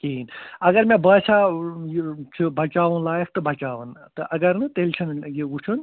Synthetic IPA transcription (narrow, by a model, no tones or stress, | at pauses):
kiːnɐɡɐɾmẽbəːsʰajt͡ʃʰubʱɐt͡ʃaːʋɐnlaːjɐk̚ʰt̪ɨbʱɐt͡ʃaːʋɐnt̪ɨʔɐɡɐɾnɨt̪elʲt͡ʃʰɐnjiut͡ʃʰun